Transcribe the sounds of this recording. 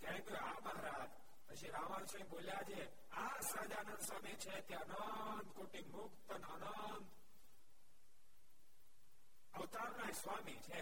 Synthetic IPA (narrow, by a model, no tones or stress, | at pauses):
k̪ãĩkoabəɦɾad͡ʒ | pət͡ʃʰiɾaʋansə̃ĩboljad͡ʒe | asɾad͡ʒanə̃nd̪samit͡ʃʰet̪jaənənd̪koʈimukt̪ənənə | nd̪ | əʋt̪aɾnasʋamit͡ʃʰe